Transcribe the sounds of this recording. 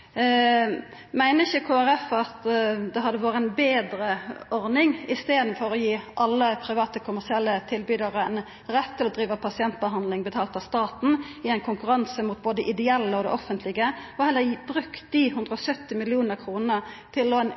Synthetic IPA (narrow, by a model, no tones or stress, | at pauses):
mæɪnəɪçəkʰoːæɾɛfɑt̪d̪ɛɦɑd̪ːəʋoːɾəɛnbeːd̪ɾəɔʁnɪŋɪst̪eːd̪n̩fɔɾɔjiːʔɑlːəpʰɾɪʋɑːt̪əkʰʊmæʁsɪɛlːət̪ʰɪlbyːd̪əʁəɛn | ɾɛt̪ʰːɪlɔd̪ɾiːʋəpʰɑsɪɛnt̪̚bəɦɑnd̪lɪŋbət̪ʰɑːlt̪ɑst̪ɑːt̪n̩ɪæɪnkʊŋkʉɾɑnsəmuːt̪̚boːd̪əɛʔɪd̪ɛɛlːəɔd̪ɛ̰ʔɔfənt̪lɪɡəɔhɛlːəbɾʉkt̪̚d̪ihʉnd̪ʁɾəɔsœt̪ːɪmɪlɪuːnəʁkʰʁuːnət̪ʰɪlɔn